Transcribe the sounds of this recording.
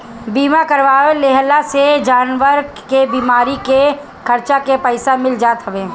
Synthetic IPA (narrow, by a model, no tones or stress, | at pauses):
biːmakəɾʋaːʋeleɦlased͡ʒaːnʋəɾɡ | kebiːmaːɾike | kʰɐɾt͡ʃakepəɪsamɪld͡ʒaːt̪ɦəʋeː